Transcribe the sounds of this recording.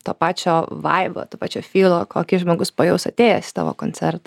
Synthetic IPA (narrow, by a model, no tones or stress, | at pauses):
t̪oːpɑːt͡ʃʲoːʋɐɪbo̰ːt̪oːpɑːt͡ʃʲoːfʲiːlˠoːkʰoːkʲɪʒmoːɡʊspoːjɛʊsɐt̪ʲeːjɛsʲɪ̥t̪ɑːʋo̰ːkoːnʲt͡s̪ʲɛɾt̪ɐ